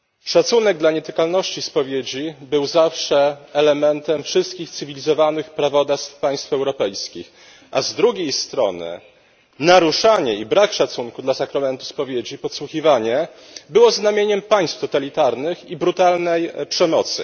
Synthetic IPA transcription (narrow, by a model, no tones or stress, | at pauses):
ʂat̪sunɛɡ̚d̪laɲɛt̪ɘkalnɔɕt͡ɕispɔvʲjed͡ʑibɘwzafʂɛɛlɛmɛnt̪ɛmfʂɘst̪̚kʲixt̪sɘvʲilʲizɔvanɘxpɾavɔd̪ast̪fpaj̃st̪fɛwɾɔpɛjskʲḭx | ʔazd̪ɾuɡʲejst̪ɾɔ̰nɘ̰ | naɾuʂaɲɛibɾakʂat̪suŋkud̪lasakɾamɛnt̪u̥spɔvʲjed͡ʑipɔt̪swuxʲivaɲɛ | bɘwɔznamʲjeɲɛmpaj̃st̪ft̪ɔt̪alʲit̪aɾnɘxibɾut̪alnɛjpʂɛmɔt̪sɘ̰